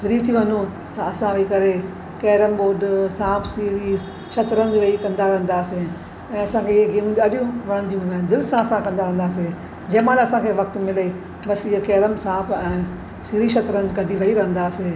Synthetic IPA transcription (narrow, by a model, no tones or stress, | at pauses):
fɪɾit̪ʰiʋɐɲu | t̪ɐɐsãʋɐikɐɾe | keːɾəmɓoːɖsãːbsiɾi | ʃɐt̪ɾənɪd͡ʑʋɐikɐ̃nd̪aɾɐɦə̃n̆d̪aːse | ɛ̃ːɐsãkʰeɪeɡiːmĩɗɐɗjũʋɐɽ̃ə̃nd̪iɦũnd̪aɦnd̪ɪlsãɐsãkɐ̃nd̪aɾɐɦə̃nd̪aːs̬e | d͡ʑɐːmaːnːɐsãkʰeʋɐk̚t̪mɪle | bɐsiɦkeːɾəmsãːbɛ̃ː | siːɾiʃɐt̪ɾənd͡ʑɡɐɖʱiʋɐiɾɐɦə̃nd̪aːseː